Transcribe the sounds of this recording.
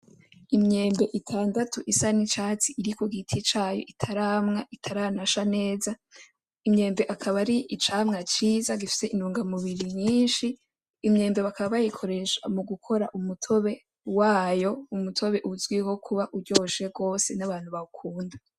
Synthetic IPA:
imɲe̞ːmbe̞ʔitʰaːndatʰuʔisanit͡ʃaːt͡siʔiɾikoɡitʰit͡ʃaːjo̞̰ʔitʰaɾamŋaʔitʰaɾanaʃane̞ːza | imɲe̞ːmbe̞ʔakʰaβaɾiit͡ʃaːmŋat͡ʃiːzaɡifi̥se̞inuːŋɡamuβiɾimɲiːnʃiː | mɲe̞ːmbe̞βakʰaβaβajikʰo̞ɾe̞ʃa̰muɡukʰo̞ɾaʔumutʰo̞βe̞ | waːjo̞umutʰo̞βe̞ʔuzɡwiho̞kʰuβaʔuɾjɟo̞ːʃe̞ɡo̞ːse̞naβaːn̥huβakʰuːnda

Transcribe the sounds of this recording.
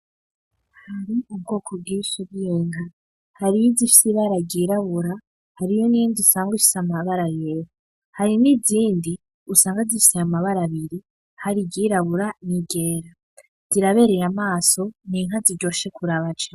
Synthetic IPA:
haɾiub̚ɡo̞ːkʰob̚ɡiːʃuβjiːŋa | haɾijizifi̥siβaɾaɡiːɾaβuɾa | haɾijoniindisaːŋɡwifi̥samaβaɾajeːɾo | haɾiniziːndi | usaːŋɡazifi̥seamaβaɾaβiɾi | haɾiɡiːɾaβuɾaniɡe̞ːɾa | z̥iɾaβe̞ɾe̞ɾamaːso̞niŋɦazid͡ʒo̞ːʃe̞kuɾaβad͡ʒa

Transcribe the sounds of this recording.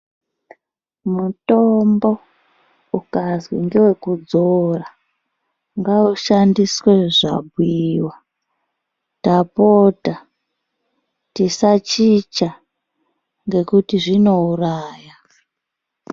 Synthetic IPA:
mutombo̞ | ukazwḭŋɡewe̞kud͡zora | ŋɡauʃandisweʐa̰bwiwa | tapota | tisat͡ʃit͡ʃa | ŋɡe̞kutiʐino̞uraːja

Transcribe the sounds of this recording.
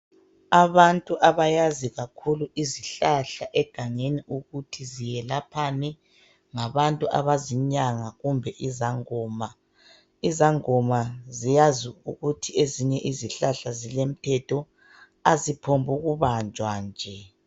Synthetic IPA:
aβantʼuʔaβajaziɣakʰuluʔiziɬaɬaʔɛɡ̥ʱaŋeniʔuɣutʰizijɛlapʰanɛ | ŋaβantʼuʔa̰βaziɲaŋaɣumbʱɛʔizaŋɔːma | izaŋɔmazijaziuɣutʰieziɲɛʔiziɬaɬazilem̩tʰɛtʰɔ | azipʰombʱuɣuβand͡ʒʱwand͡ʒʱɛ

